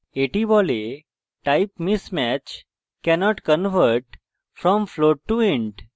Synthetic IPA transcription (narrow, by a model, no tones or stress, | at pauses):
eʈibɔle | ʈaɪpmismæt͡ʃ | kɛnɔʈkənʋəɾʈ | fɾɔ̃mfloʈʈuĩɳʈ